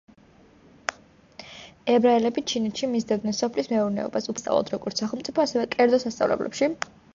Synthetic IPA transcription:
ɛbɾaɛlɛbit͡ʃʰinɛt̪ʃimizd̪ɛvd̪nɛnsɔpʰlismɛuɾnɛ̰ɔ̰basupsʼa̰vlˠɔ̰d̪ʰɾɔɡɔɾt̪saχɛlˠmt̪sʼipʰɔasɛvɛkʼɛɾd̪zɔsast̪sʼa̰vlɛ̰blʔɛ̰pʃi

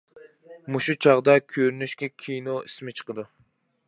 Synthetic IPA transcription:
muʃut͡ʃʰɑʁd̪ɑkʲʰøɾynyʃkʲɛkʲʰijnoismɪt͡ʃʰə̥qəd̪u

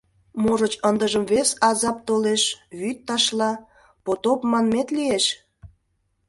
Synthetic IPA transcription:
moʒət͡ɕənd̪əʒəmβesɑzɑp̚t̪oleʃβyt̪ːɑʃlɑ | pot̪opmɑnmet̪lieʃ

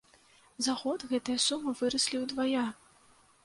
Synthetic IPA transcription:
zaɣɔd̪ɣɛt̪ɨjɐsumɨvɨɾɐsʲlʲiwd̪vaja

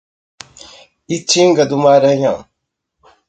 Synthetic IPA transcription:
it͡ʃiŋɡad̪umaɾajã

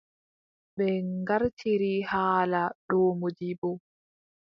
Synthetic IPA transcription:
ɓɛŋɡaɾtʰiɾihaːlaɗɔːmod͡ʒibɔ

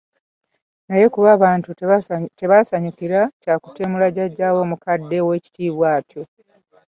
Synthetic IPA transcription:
naje̞kuβaːβaːntute̞βasaɲikiɾacaːku̥te̞mulaɟaɟːaːwo̞ːmukadːe̞we̞ːci̥tiːβwaːtʰjo

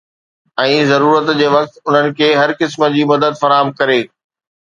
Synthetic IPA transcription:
ɛ̃ːzɐɾuːɾət̪d͡ʑeːʋɐk̚t̪ʊn̤ənɪ̆kʰeːɦɐɾkɪsmə̆d͡ʑiːmɐd̪əd̪fɐɾaːɦəmkɐɾeː

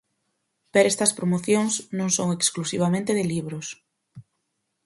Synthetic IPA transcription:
peɾest̪ɐspɾomoθjoŋsnõŋsoŋeksklusiβamẽnt̪eðɪliβɾʊs

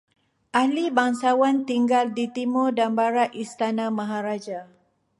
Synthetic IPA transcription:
ʔahlibaŋsawant̪iŋɡaldit̪imɔdanbaɾaʔist̪anamaɦaɾad͡ʒa

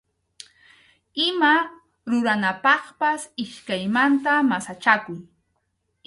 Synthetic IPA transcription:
ɪma | ɾʊɾanapɑχpasɪʃkajmant̪amasat͡ʃakʊj

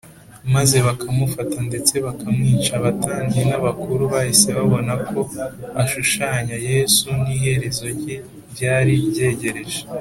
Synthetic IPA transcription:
maze̞βakʰamufatande̞t͡se̞βakamŋiːt͡ʃaβataːnenaβakuɾuβahise̞βaβo̞nakʰo̞aʃuʃaːɲaje̞ːsunihe̞ɾe̞zo̞ɾɟe | jaːɾibɟe̞ːɟe̞ɾe̞ʒe

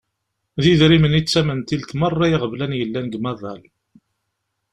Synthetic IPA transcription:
ðiðɾimənit͡sːæmənt̪ilt̪mɑrˤːɑjiʁəvlænjəlːænɡmæðˤɑl

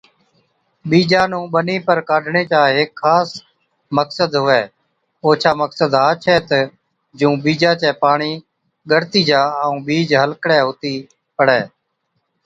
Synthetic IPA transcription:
ɓiːd͡ʒaːnũːɓəniːpəɾkaːɖɳeːt͡ʃaːɦeːkʰːaːs | məksəd̪ɦʊʋɛː | oːt͡ʃʰaːməksəd̪ɦaːt͡ʃʰɛːt̪ː | d͡ʒũːɓiːd͡ʒaːt͡ʃɛːpaːɳiː | ɡəɾt̪iːd͡ʒaːəũːɓiːd͡ʒɦəlkɽɛːɦoːt̪iː | pəɽɛː

